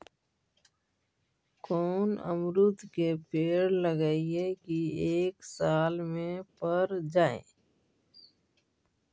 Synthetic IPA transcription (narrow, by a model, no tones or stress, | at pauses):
koːnə̰mɾʊt̪kepeːɾləɡaːiekieːksaːlmẽpəɾd͡ʒaːḛ̃ː